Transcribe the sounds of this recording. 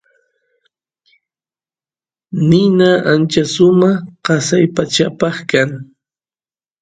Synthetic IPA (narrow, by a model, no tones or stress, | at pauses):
nɪnaʔant͡ʃasʊmɑqɑsajpat͡ʃapɑχkaŋ